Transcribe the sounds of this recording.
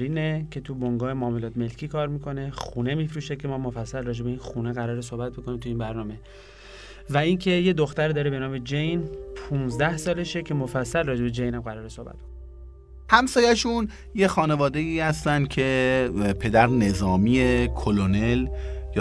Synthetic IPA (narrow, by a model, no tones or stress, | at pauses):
ɾiːnecʰe̞t̪ʰuboŋɡɒːjemoːmolɒːt̪ʰme̞lcʰiːkʰɒːɾmiːkʰo̞ne̞xuːne̞miːfɾuːʃekʰe̞mɒːmofæsːælrɒːd͡ʒe̞beinxuneɣæɾɒːɾes̬o̞hbæt̪̚boko̞niːmt̪ʰuiːmbæɾnɒːme̞ | væincʰe̞je̞d̪oxt̪æɾd̪ɒːɾebe̞nɒːme̞d͡ʒejnpʰunzd̪æhsɒːle̞ʃecʰe̞mofæsːælrɒːd͡ʒee̞d͡ʒejnæmɢæɾɒːɾesohbæ̰t̪̚b̥oko | hæmsɒːjæʃun | jexɒːne̞vɒːd̪e̞iːhæst̪ænd̪̥̚cʰe̞pʰe̞d̪æɾne̞zɒːmiekʰolonelj